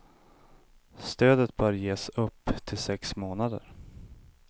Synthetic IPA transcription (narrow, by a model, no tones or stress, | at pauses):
st̪øːd̪ət̪̚bœːɾjeːsɵpːt̪ʰɪlsɛksmoːnad̪ə̰ɾ